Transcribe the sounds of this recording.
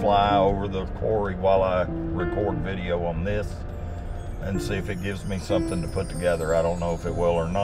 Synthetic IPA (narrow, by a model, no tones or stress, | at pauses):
flaɪoʊvə˞ðəkʰɔ̰ɹiwaɪlˠaɪ | ɹɨkʰɔɹdvɪɾioʊə̃nðɪs | ʔɨ̃nsiɨfɨt̚ɡ̥ɪvzmisʌ̃mθɪ̃ŋtʰɨpʰʊtʰɨɡɛðə˞aɪɾõʊ̃nːoʊəfɨt̚wɪlˠə˞nə